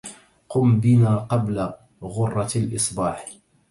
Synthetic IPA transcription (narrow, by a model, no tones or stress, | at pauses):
qʊmbɪnaːqɑbla | ɣʊrˤːɑlʔɨsˤbɑːħ